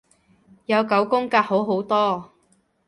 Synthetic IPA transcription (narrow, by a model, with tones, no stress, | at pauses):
jɐ˨˧wkɐ˨˥wkʊ˥ŋkaː˧k̚ho˨˥wɦo˨˥wt̪ɔː˥